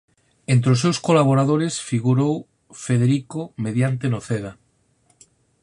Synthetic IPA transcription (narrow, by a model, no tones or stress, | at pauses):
ent̪ɾeos̬ːewskolaβ̞oɾaðoɾesfiɣuɾow | feðeɾikomeðjant̪enoθeða